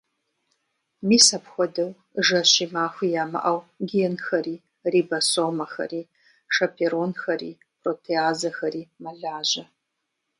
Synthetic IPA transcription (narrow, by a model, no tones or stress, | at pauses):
miːsɐpxʷɔdɨw | ʐɐɕiːmaːxʷiːjaːmɐ̰ʔɐwɡʲeːnxɐɾiː | riːbɐsoːmɐxɐ̰riː | ʂɐpʰeɾonxɐɾḭː | pʰrotʰeaːzɐxɐɾiːmɐɮaːʑɐ